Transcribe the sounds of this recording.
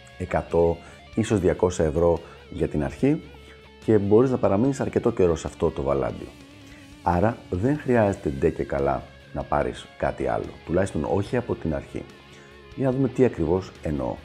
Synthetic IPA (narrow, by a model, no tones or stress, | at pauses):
e̞kɐt̪o̞ | iso̞zðʝɐko̞sɐe̞vɾo̞ | ʝɐt̪inɐɾçi | ce̞bo̞ɾiznɐpɐɾɐminisɐɾce̞t̪o̞ce̞ɾo̞sɐft̪o̞t̪o̞vɐlɐ̰d̪ḭ | ɐɾɐðe̞ŋxɾiɐze̞t̪e̞d̪e̞ce̞kɐlɐ̰ | nɐpɐɾḭskɐ̰t̪iɐ̰lo̞̰t̪ulɐçist̪o̞no̞̰çiɐpo̞t̪inɐ̰ɾçḭ | ʝɐnɐðume̞t̪iɐkɾivo̞se̞no̞̰